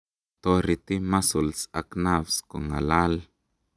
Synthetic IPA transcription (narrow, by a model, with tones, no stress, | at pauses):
t̪o˧ɾi˨t̪i˦ma˦su˨lsa˧kna˦fsko˨ŋa̰˨la˦l